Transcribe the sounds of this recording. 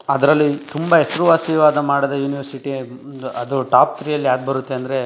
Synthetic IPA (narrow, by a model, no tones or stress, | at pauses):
ɐd̪ɐɾɐlːit̪umbɐɦesɐɾuʋaːsiʋaːd̪ɐmaːɽɐd̪ɐjuːniʋɐɾsiʈiɐd̪uʈaːp̚t̪ɾiːjɐlːiaːd̪̚bɐɾut̪ːe̞ɐnd̪ɐɾe